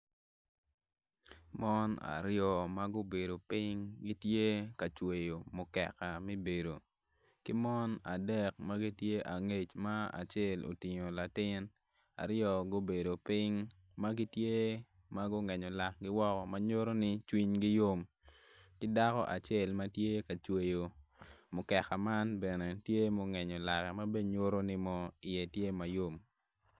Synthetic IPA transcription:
mɔ˦na̰˨ɾjɔ˦ma˦ɡʊ˦be˨do˨pɪ˦ŋɡi˦tje˦ka˨t͡ʃwe˨jo˨mʊ˨kɛ̰˨ka˨mi˦be˨do˨ | kɪ˦mɔ˦na̰˨dɛ˦˨k̚ma˦ɡi˦tje˦ʔa˨ŋe˦t͡ʃma˦a̰˨t͡ʃe˦˨lo̰˨tɪ˨ɲo˨la˨tɪ˦n | a̰˨ɾjɔ˨ɡo˦be˨do˨pɪ˦ŋ | ma˦ɡi˦tje˦ | ma˦ɡɔ˦ŋɛ˨ɲɔ˨la˨kɡɪ˦wɔ˦kɔ˨ma˦ɲo˦ɾo˦nɪ˦t͡ʃwi˦ɲɡɪ˦jo˦m | kɪ˦da˦kɔ̰˦ʔa˨t͡ʃe˦˨lma˦tje˦ka˨t͡ʃwe˨jo˨mʊ˨kɛ˨ka˨ma˦nbɛ˨nɛ˨tje˦mɔ˨ŋɛ˨ɲɔ˨la˨kɛ˨ma˦be˦ɲo˦ɾo˦nɪ˦mɔ˦ɪ˨je˨tje˦ma˨jo˦m

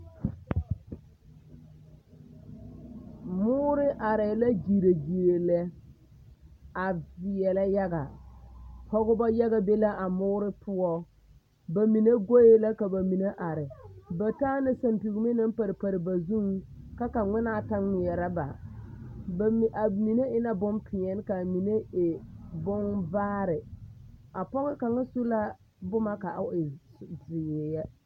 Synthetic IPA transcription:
mʊː˦ɾɪ˦ʔa˨ɾɛː˨la˦d͡ʒi˨ɾe˨ɡi˨e˨lɛ˦ | a˨vɪ˨ɛ˨la˦ja˦ɡa̰˨ | hɔ˦ɣʊ˦ba˦ja˦ɣa˦be˦la˦ʔa˨mʊː˦ɾɪ˦pʊ˦ɔ˦ | ba˨mi˨ne˦ɡo˦je˦la˦ka˨ba˨mi˨ne˦ʔa˨ɾɪ˨ba˨taː˦nɪ˦sa˨mpi˨ɡu˨mɪ˦na˦mpa˨ɾɪ˨pa˨ɾɪ˨ba˨zu˦ŋka˦ka˨ŋ͡mɪ˦na˦˨ta˦ɪ˨jɛ˨ɾa˦ba̰˨ | bʔa˨mi˨ne˦ɪ˦na˦bʊ˦mpʰɪ˨ɛ˦n˦ka˨mi˨ne˦ɪ˨bʊ˦ŋbaː˦ɾɪ˨ | a˨pɔ˦ŋɪ˦ka˨ŋa˦su˦la˦ | bʊ˦ma˦ka˨ʔa˦ɪ˨dɪ˨jɛ˨jɛ˦

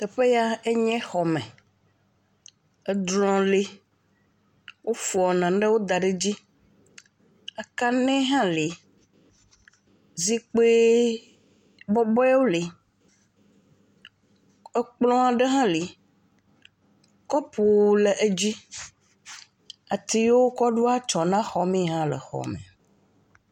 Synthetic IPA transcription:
t̪ɛ˨ɸe˦ja˦e˦ɲɛ̃˦xɔ˨mɛ̃˨ | ɛ˦d̪lɔ̃˨le˦ | wʔo˦fu˨ɔ˨nã˨ɖe˦wo˦d̪a˨ɖe˦d͡ʑi˦ | a˨ka˦nɛ̃˦ɦã˦li˨˦ | zi˦k͡pe˦ | bɔ˦bɔ˦ɛ˦wo˦li˨ | e˦k͡plɔ̃˦a˨ɖe˦ɦã˦li˨ | kɔ˦pʰu˨le˨ʔe˦d͡ʑi˦ | a˨t̪i˨jo˦wo˦kɔ˦ɖu˦a˦t͡ʃɔ˨nã˦xɔ˨mĩ˦˨ɦã˦lɛ̰˨xɔ̰˨mḛ̃˨

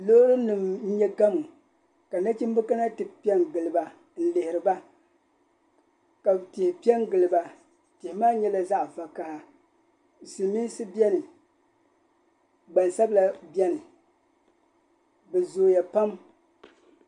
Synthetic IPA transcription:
lo˦ʊ˦ɾɨ˦nɨ˨m̩˦ɲɛ˦ɡa˦mu˨ | ka˨na˦t͡ʃi˦m˦bɨ˦ka˦na˦tɨ˨pi˦ɛ˦ŋɡɨ˨lɨ˨ba˨ | n̩˦lɪ˨hɪ˨ɾɨ˨ba˦ | ka˨btɪ˨hɪ˨pi˦ɛ˦ŋ˦ɡɨ˨lɨ˨ba˨ | tɪ˨hɪ˨maː˦ɲɛ˦la˦za˦ʔva˨ka˨ha˨ | sɨ˨mi˦sɨ˦bi˦ɛ˦nɨ˨ | ɡ͡ba˨nsa˦bla˦˨bɛ˦nɨ˨ | bɛ˨zoː˨ja˨pa˦m

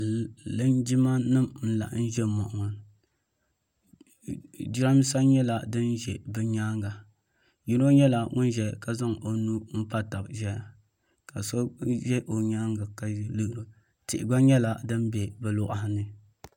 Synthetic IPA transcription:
lɨ˦nd͡ʒi˦ma˦nɨ˦mn̩˦la̰˨ʔn̩˦ʒɛ˦mɔ̰˨ʔʊ˨ŋɔ˨n | d͡ʒɾa˦m˦sa˦ɲɛ˦la˨dɨ˦nʒɛ˨bɨ˦ɲaː˦ŋɡa˨ | ji˦no˦ɲɛ˦la˨ŋʊ˦n˦ʒɛ˨ka˦za˦ŋo˨nu˦m̩˦pa˦ta˨bʒɛ˦a˨ | ka˨so˦ʒɛ˦ʔo˨ɲaː˦ŋɡa˨ka˨˦lɨ˦hɾo˨ | tɪ̰˨ʔɪ˨ɡ͡ba˦ɲɛ˦la˨dɨ˦nbɛ˨bɨ˨lʊ˦ʔa˦ha˦nɨ˨

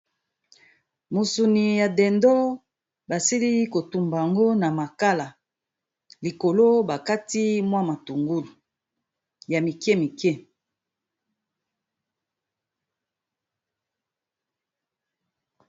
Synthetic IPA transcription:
mu˨su˨ni˨ja˨dɛ˨ndɔ˦ | ba˨si˦li˦ko˨tu˨mba˨ja˨ŋɡo˦na˨ma˨ka˦la˨ | li˨ko˨lo˦ba˨ka˦ti˦mwa˦ma˨tu˨ŋɡu˦lu˨ | ja˨mi˨kɛ˦mi˨kɛ˦

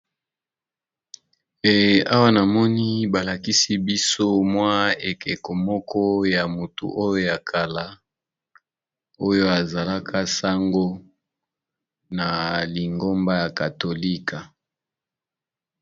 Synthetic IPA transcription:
e˨a˦wa˦na˨mɔ˦ni˦ba˨la˨ki˦si˦bi˦so˦mwa˦e˨kɛ˨ko˨mɔ˦kʰɔ˦ja˨mu˨tṵ˨ʔo˦jo˦ja˨kʰa˨la˦ | o˦jo˦a˨za˨la˦kʰa˦sa˦ŋɡo˦ | na˨li˨ŋɡo˦mba˦ja˨ka˨to˨li˦ka˨

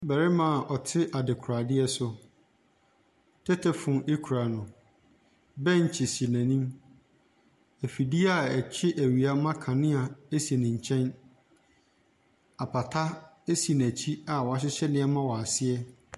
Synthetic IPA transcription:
bɛ˨ɾɪ˦mã˨ʔɔ˨tʰɪ˦ʔa˨dɪ˨kʰu˨ɾa˨dɪ˦ɛ˦sʊ˦ | tʰɛ˦tʰɛ˨fʊ̃˨ʔe˦kʰu˨ɾa˨nʊ̃˨ | bɛ̃˦ɲ̩˨t͡ɕʰɪ˨si˨næ̃˨nĩ˦m | æ˨fi˨di˦a˦˨ɛ˨t͡ɕʰɪ˦ʔæ˨ɥi˨a˦mã˦kʰã˨nɪ̃˦a˨e˦si˨nɪ̃˨ɲ̩˨t͡ɕʰɛ̃˦n | a˨pʰa˨tʰa˦ | e˦si˨ñ˨æ˨t͡ɕʰi˦a˨wɔ˨a˦ɕ̬ɪ˦ɕɛ˦nɪ̃˦ɛ˦mã˦wɔ˨a˨sɪ˦ɛ˦

